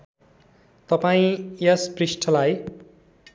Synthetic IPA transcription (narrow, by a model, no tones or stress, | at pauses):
t̪ʌpaĩjʌsprisʈʰʌlaj